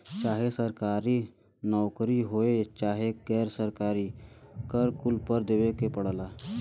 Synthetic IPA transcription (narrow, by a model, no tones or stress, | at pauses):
t͡ʃaːɦesəɾkaːɾi | nɔwkɾiɦoet͡ʃaːɦeɡɛːɾsəɾkaːɾiːkəɾkʊlpəɾd̪eʋekepəɽlaː